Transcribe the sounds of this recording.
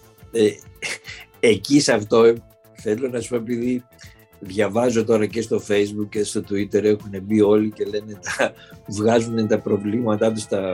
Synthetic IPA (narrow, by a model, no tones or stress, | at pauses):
e | ecisɐft̪o̞ | θe̞lo̞nɐsispo̞epiði | ðʝɐvɐzo̞t̪o̞ɾɐce̞st̪o̞fe̞jzbukcest̪o̞t̪uit̪e̞ɾe̞xune̞bio̞lice̞le̞ne̞t̪ɐvɣɐzune̞t̪ɐpɾo̞vlimɐt̪ɐt̪̬ust̪ɐ